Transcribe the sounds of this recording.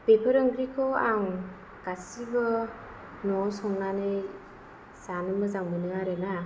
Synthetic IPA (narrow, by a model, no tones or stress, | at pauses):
pepʰəɾɯŋɡɾikʰɔaŋ | ɡ̥asibɯ | nɔsɔŋnanɯj | zanɯmɯzaŋmɯnɯŋaɾena